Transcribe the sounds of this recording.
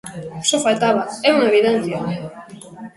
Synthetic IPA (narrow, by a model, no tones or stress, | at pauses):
sofalt̪aβaeunaβiðent͡sia